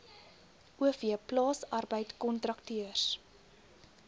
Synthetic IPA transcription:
ʔuəfiəplɑːsɐrbəjtkɔntrɐktyərs

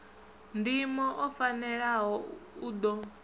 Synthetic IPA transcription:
ndimɔʔɔfanɛɺaɦɔud̪ɔ

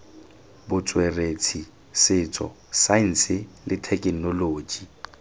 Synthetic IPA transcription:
bʊt͡sʼweret͡sʰi | sɪːt͡sʼɔ̰ | san̩sɪlɪtʰɛkʼnɔloːd͡ʒi

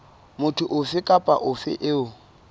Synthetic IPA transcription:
mʊtʰʊʔʊfɪkʼapʼa̰ʔʊfɪ̰ʔɪʊ

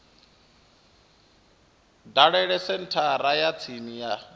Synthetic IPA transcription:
daɺɛɺɛsɛn̩tʰaɾajat͡sʰinija

